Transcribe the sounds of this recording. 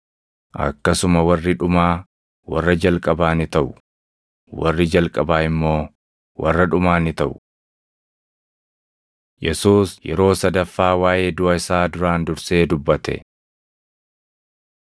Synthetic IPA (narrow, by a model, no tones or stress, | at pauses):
ʔɐ̰kːɐsʊmɐwɐrːɪᶑʊmaː | wɐrːɐd͡ʒɐlkʼɐbaːnɪt̪ɐʔʊ | wɐrːɪd͡ʒɐlkʼɐbaːɪmːo̞ː | wɐ̰rːɐᶑʊmaːnɪt̪ɐʔʊ | jʔɛsuːsjɛ̰ɾo̞ːsɐd̪ɐfːaːwaːʔe̞ːd̪ʊɐɪsaːd̪ʊɾaːnd̪ʊɾse̞ːd̪ʊbːɐt̪ɛ̰